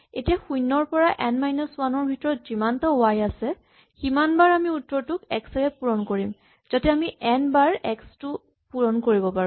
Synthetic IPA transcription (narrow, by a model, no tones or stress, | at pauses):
etijaxujnːɔɹpɔɹaʔɛnmajnɔswanɔɹbʱitɔɹɔtz̥imantɔajasɛ | ximanbaɹamiutːɔtʊkɛ̰ksɛɹɛpuɹɔnkoɹim | z̥atɛamiʔɛnbaɹɛkstʊ | puɹɔnkoɹibɔpaɹũ